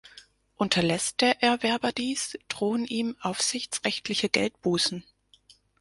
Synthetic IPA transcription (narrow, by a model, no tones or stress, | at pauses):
ʔʊntʰɐlɛsd̥eːɐʔɛːɐvɛɐbɐdiːsd̥ʁoːənʔiːmʔaʊfz̥ɪçt͡sʁɛçtʰlɪçəɡɛ̰lt̚b̥uːsn̩